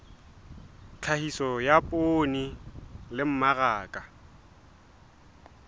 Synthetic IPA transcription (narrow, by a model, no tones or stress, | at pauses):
t͡ɬʰahisɔjapʼonilɪm̩maraːkʼa